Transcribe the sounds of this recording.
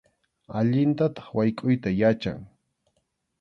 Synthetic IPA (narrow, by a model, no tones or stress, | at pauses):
aʎɪnt̪at̪ɑ̥χwajkʼʊjt̪ajat͡ʃa̰ŋ